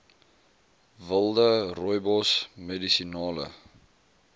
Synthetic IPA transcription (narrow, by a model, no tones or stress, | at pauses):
vəlˠdərɔjbɔsmedisinɑːlə̰